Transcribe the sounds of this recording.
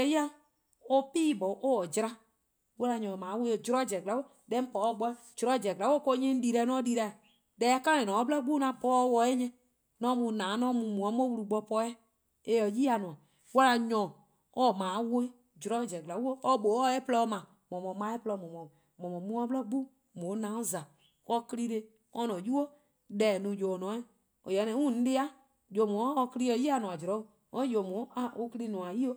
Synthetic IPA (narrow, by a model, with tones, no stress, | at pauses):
ɛ˨˦ji˦a˦ | o˦piː˦˨bɔ˨ʔo˦ɔ˨d͡ʒɾa˦ | wɔ˦la˧ɲɔ̃˨mãː˨˦we˦o˨d͡ʒɾɔ˦˨d͡ʒɛ˨ɡla˨˦wo˦ | dɛ˦m̩˦pɔ˨˦ɔ˦˨ɡ͡bɔ˧˦d͡ʒɾɔ˦˨d͡ʒɛ˨ɡla˨˦o˦˨ko˧˦ɲĩ˦n̩˦di˧ɾɛ˧˦nɔ̃˦di˧ɾɛ˧˨ | dɛ˨˦kã˦ẽ˨nɔ̃˨ɔ˨˦blɔ˦ɡ͡bu˦nã˨pɔ˦wɔ˧˦ɛ˦ɲɛ̃˦ | nɔ̃˦mũ˧˨nãː˨˦nɔ̃˦mũ˧˨mũ˨ɔ˨˦mõ˦wu˧ɾu˧ɡ͡bɔ˧pɔ˧˦ɛ˦ | e˨ɔ˨ji˦a˧˨nũ˨ã˨ | wɔ˦la˧ɲɔ̃˨ | ɔ˦˨mãː˨˦wo˦ | d͡ʒɾɔ˨˦d͡ʒɛ˨ɡla˨˦u˦o˦ɔ˦ɓo˨ɔ˦ɛ˦plɔ˧˦mã˨ | mɔ̃˨mɔ̃˨˦mã˨˦ɛ˦plɔ˧˦mɔ̃˨mɔ̃˨ | mɔ̃˨mɔ̃˨mũ˧˦ɔ˧˦blɔ˦ɡ͡bu˦ | mõ˨˦nã˨˦õ˦za˨ | ɔ˧kli˧ɾe˧ | ɔ̃˧˦nɔ̃˨ju˦o˦ | dɛ˨nũ˨d͡ʒo˨nɔ̃˨˦ɛ˦˨ | o˨jɛ˨˦nɛ̃˨˦ŋũ˦˨n̩˦de˦a˦ | jo˨mũː˨˦˧ki˦li˦ɔ˧˦ji˦a˨nũ˨ã˨d͡ʒɾɔ˨˦˨ | ɔ̃˦jo˨mũ˨˦a˦˨ʔo˧kli˧nũ˨ã˨ji˦o˦